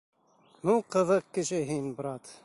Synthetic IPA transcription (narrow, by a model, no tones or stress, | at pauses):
nuqɤ̆ðɤq̚kɘ̆ʃɘɦinb̆ɾɑt̪